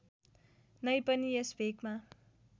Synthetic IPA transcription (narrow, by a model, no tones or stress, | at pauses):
nʌjpʌniesbʱekma